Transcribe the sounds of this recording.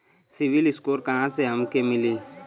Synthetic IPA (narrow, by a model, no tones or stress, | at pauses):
sɪʋɪlɪskoːɾkɐɦãseɦɐmkemɪliː